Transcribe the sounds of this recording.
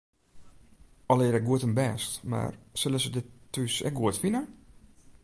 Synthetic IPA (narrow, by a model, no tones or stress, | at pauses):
ɔlˠɪəɾɛɡuətənbɛːstma̰rsɪləsədɪtːysɛ̰k̚ɡuətfinə